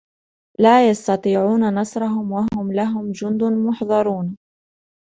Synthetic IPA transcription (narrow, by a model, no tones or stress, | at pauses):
laːjɑst̪ɑt̪ˤiːʕuːnanɑsˤɾˤɑɦʊmwaɦʊmlaɦʊmd͡ʒʊnd̪ʊnmʊħðˤɑɾˤuːn